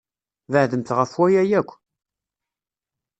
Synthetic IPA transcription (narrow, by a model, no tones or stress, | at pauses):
vəʕðəmθʁəfwæjæjækʷː